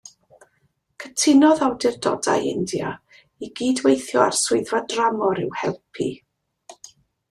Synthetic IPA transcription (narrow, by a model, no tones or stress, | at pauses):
kʰətʰɪnɔðawdɪrdɔ̰da̰jɪndja̰ | iɡiːdwejθjɔa̰rsʊɨðvadramɔɾɪwhɛlˠpʰḭ